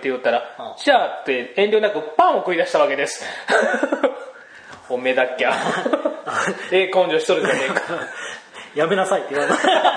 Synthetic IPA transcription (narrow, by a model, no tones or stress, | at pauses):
t̪ːejɯt̪ːaɾaɕat̪ːe̞ẽnɾʲonakɯ̟pãɰ̃okɯ̟id̪aɕi̥t̪aβake̞d̪e̞sɨ̥ | ome̞d̪akʲːa | eːkõ̞ɲ̟d͡ʑoːɕi̥t̪oɾɯ̟d͡ʒane̞ːkḁ | jame̞nasait̪ːeɯβaɾema